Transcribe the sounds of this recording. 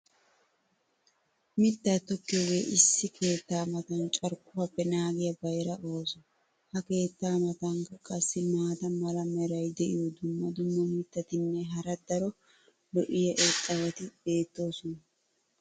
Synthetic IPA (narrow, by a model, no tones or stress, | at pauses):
mɪt̪ːɐt̪ːɔkːɪwḛːʔɪsːɪkʰe̞ːt̪ːaːmɐt̪ɐnt͡ʃʼɐɾkːʊhɐpːɛnaːɡɪjɐbɐjɾɐʔo̞ːsɔ | hɐke̞ːt̪ːaːmɐt̪ɐŋkɐkʼɐsːɪmaːt̪ɐmɐlɐmɛɾɐjd̪ɛʔɪjɔd̪ʊmːɐd̪ʊmːɐmɪt̪ːɐt̪ɪnːɛɦɐɾɐd̪ɐɾɔ | lɔʔɪjɐʔɛtʼːɐβɐt̪ɪbe̞ːt̪ːo̞ːsɔnɐ